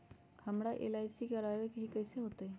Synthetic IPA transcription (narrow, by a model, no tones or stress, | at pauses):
hɐmɽaʔḛlaːɪsikeɾaːʋekeɦikɐseɦoːt̪ae